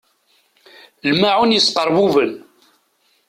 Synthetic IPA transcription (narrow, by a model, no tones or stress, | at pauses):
lmaʕunjəsqəɾˤvuvən